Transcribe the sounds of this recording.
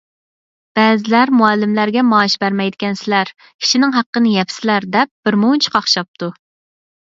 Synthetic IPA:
b̥ɛːzɪlæɾmuɛlːɪmlæɾɡʲɛmɑːʃbæɾmɛjd̪ɪkʲɛnsɪlæɾ | kʲʰi̥ʃinɪŋɦæqːənɨjɛpʰsɪlæɾd̪ɛp̚b̥ɪɾmont͡ʃʰi̥qʰɑχʃɑp̚t̪ʰu

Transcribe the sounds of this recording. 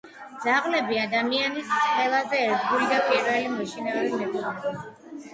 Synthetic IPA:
d̪z̥aʁlɛbiad̪amianisqʼwɛlˠazɛːɾd̪ɡulid̪apʰʼiɾvɛlimɔʃinaɔlimɛkɔla

